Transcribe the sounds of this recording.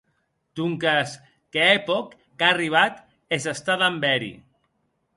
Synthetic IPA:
t̪uŋkas | keepɔkː | ariβ̞at̪ | ezest̪aðambɛɾḭ

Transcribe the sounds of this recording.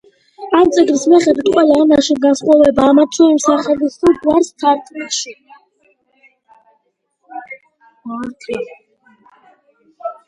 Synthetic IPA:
amt̪sʼɛɡɾismɛχɛd̪wit̪̚ʼqʼwɛlaɛmaʃiɡansχʼɔvɛbaːmat̪ʰɛimsaχɛlisuɡwaɾst̪ʰaɾt̪ʰʼmɛʃi | t̪ʰ

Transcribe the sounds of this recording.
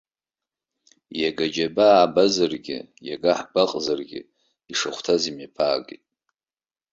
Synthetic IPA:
jaɡad͡ʒabaːbazarɡʲɪ̰ | jaɡaħbaqʼzarɡʲɪ̰ | iʂaχʷtʰazimapʰaːɡitʼ

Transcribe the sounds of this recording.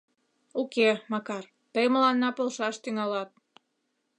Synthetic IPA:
ukemɑkɑr | t̪əjməlɑnːɑpolʃɑʃt̪yŋɑlɑt̪̚

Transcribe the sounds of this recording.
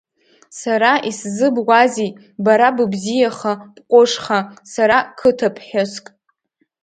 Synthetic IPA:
saɾaʔiszɨbɡʷazi | baɾabɨbzijaχab̥qʷʼʊʂχasaɾakʰɨtʰapʰħoskʼ

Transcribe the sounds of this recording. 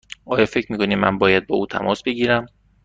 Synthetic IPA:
ʔɒːjɒːfe̞cʰmiːkʰo̞niːmæ̰nbɒːjæd̪̚bɒ̰ːuːt̪ʰæ̰mʔɒːsb̥e̞ɟiːɾæm

